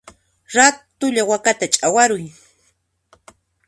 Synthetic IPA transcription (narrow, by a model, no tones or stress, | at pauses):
ɾat̪ʊʎawakat̪at͡ʃʼawaɾʊj